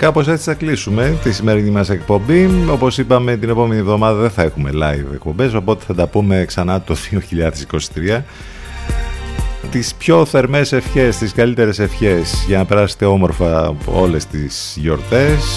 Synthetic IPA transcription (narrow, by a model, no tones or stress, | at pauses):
kɐpo̞s̬e̞t͡s̪isθɐklisume̞t̪isime̞ɾinimɐse̞k̚po̞mbio̞po̞sipɐme̞t̪ine̞po̞me̞nivðo̞mɐðɐðenθɐe̞xume̞lɐjvḛk̚pombe̞so̞po̞t̪e̞̥θɐt̪ɐpume̞ksɐnɐt̪o̞ð̥io̞çiʎɐðe̞siko̞si̥t̪ɾiɐ | t̪ispço̞θe̞ɾme̞se̞fçe̞st̪iskɐlit̪e̞ɾe̞se̞fçe̞sʝɐnɐpe̞ɾɐse̥t̪e̞o̞mo̞ɾfɐo̞le̞st̪is | ʝo̞ɾt̪e̞s